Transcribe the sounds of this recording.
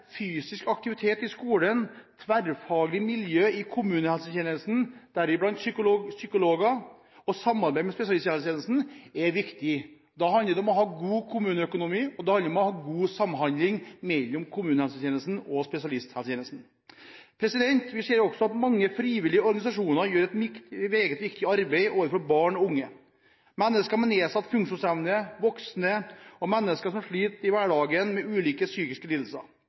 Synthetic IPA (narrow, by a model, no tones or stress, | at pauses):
fyːsɪskɑk̚t̪ɪʋɪt̪ʰeːt̪ɪskuːlənt̪ʰʋæɾfɑːɡlɪmɪljøːɪkʰʊmʉːnəhɛlsəçɛnəlsn̩d̪̥æɾɪblɑnt̪sʏkʊlosʏkʊloːɡɑ | ɔsɑmːɑɾbæɪmɛspɛsɪɑlɪst̪ɛlsɛːnəsn̩ɛʋɪkt̪ɪ | d̪ɑhɑnəɖɛɔmɔhɑːɡuːkʰʊmʉːnəœkʊnʊmiːɔd̪ɛhɑnləɾɔmɔhɑːɡuːsɑmːɦɑnd̪lɪŋmɛlːɔmkʰʊmʉːnəhɛlsət̪ʰeːnəlsn̩ɔspɛsɪɑlɪst̪hɛlt̪ʰeːnəsn̩ | pʰɾɛsɪd̪ɛnt̪ʋɪseːɾɔksɔɑt̪mɑŋːəfɾiːʋɪlɪəɔɾɡɑnɪs̬ɑʂuːnəɾjøːɾɛt̪ʋeːɡət̪ʋɪkt̪ɪɑɾbeɪʔoːʋəɾfɔɾbɑːɳɔʊŋːə | mɛnːəskəmɛneːsɑt̪ːfʉŋkʂuːnsɛʋnəʋɔksnəɔmɛnːəskəʂɔmʂɭiːt̪ɪʋæɖɑːɡənmɛʉːliːkəsyːkɪskəliːd̪l̩sə̰ɾ